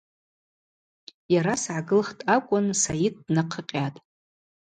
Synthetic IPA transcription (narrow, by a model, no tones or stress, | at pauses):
jaɾasʕaɡɨlχtʼakʷʼʊnsajid̚dnaqʰəqʲʼatʼ